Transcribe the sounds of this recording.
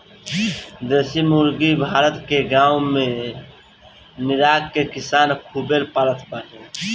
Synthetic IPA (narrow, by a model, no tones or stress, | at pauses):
d̪esimuɾɡibʱaːɾət̪keɡãːũmẽ | nɪɾaːkkekɪsaːnkʰubeɾpaɾət̪ʰpəɾɦẽ